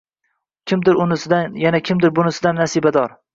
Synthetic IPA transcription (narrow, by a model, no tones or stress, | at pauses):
kʲʰɪmd̪ɪɾʊnɪsɪd̪ajanakʲʰɪmd̪ɪɾbʊnɪsɪd̪anːasibad̪ɒɾ